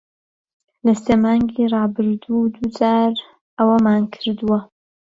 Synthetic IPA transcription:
lɐseːmɑːŋɡiːrˤɑːbɨɾd̪ud̪ud͡zaːɾ | ɐwɐmaːnkʰɨɾd̪uwɐ

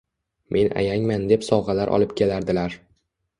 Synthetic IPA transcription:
mʔe̞nʔa̰jaŋmand̪e̞psɒwʁɑlaɾʔɒ̰lˠɪpkʲʰe̞laɾd̪ɪlaɾ

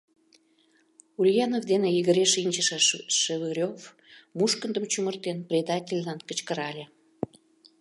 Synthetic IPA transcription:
ulʲjɑnovd̪enejiɣəɾʲeʃinʲt͡ɕəʃəʃəvɨɾʲov | muʃkənd̪əmt͡ɕumərt̪enprʲed̪ɑtʲelʲːɑnkət͡ɕkəɾɑlʲe

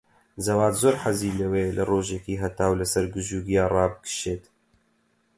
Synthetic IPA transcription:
zɐwaːt̪zoːɾħaziːlɐweːlʔɐroːʒekiːɦɐt̪aːwlɐsɐɾɡɨʒuːɡijaːrɑːbɨkʰɨ̥ʃeːt̪

